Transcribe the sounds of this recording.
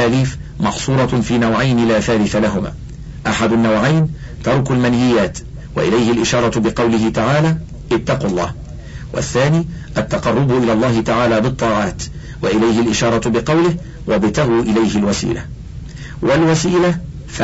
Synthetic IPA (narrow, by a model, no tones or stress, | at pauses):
aliːf | mɑħsˤuːɾˤɑfiːnawʕajnɪlaːθaːlɪθalaɦʊma̰ː | ʔaħad̪ʊnːawʕajn | t̪ɑɾˤkʊlmanhɪjːaːt̪ | wa̰ʔɪlajhɪlʔɪʃɑːɾˤɑbɪqɑwlɪɦɪt̪aʕaːlaː | ʔɪt̪ːɑqulˤːɑ̰ːh | wʔa̰θːaːniː | ʔat̪ːɑqɑrˤːʊbʊʔɪlaːlˤːɑːhɪt̪aʕaːlaːbɨt̪ˤːɑːʕɑːt̪ | waʔɪlajɦɪlʔɪʃɑːɾˤɑbɪqɑwlɪh | wabɪt̪aɣuːʔɪlajhɪlwasḭːla̰ | wʔalwasiːla | f